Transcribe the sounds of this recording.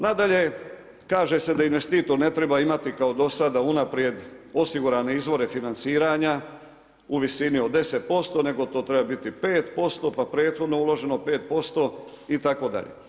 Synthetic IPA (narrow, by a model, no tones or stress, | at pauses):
nad̪aʎe̞ | kaːʒe̞se̞d̪ainʋest̪iːt̪o̞ɾne̞t̪ɾe̞baimat̪ikao̞d̪o̞sad̪aunapɾje̞d̪o̞siɡuɾaːne̞izʋo̞ɾe̞finansiːɾaɲa | uʋisinio̞d̪d̪e̞set̪̚po̞st̪o̞ne̞ɡo̞t̪o̞ːt̪ɾe̞babit̪ipe̞ːt̪po̞st̪o̞papɾe̞ːt̪xo̞d̪no̞ulo̞ʒe̞no̞pe̞ːt̪̚po̞st̪o̞ | it̪ako̞d̪a̰ʎḛ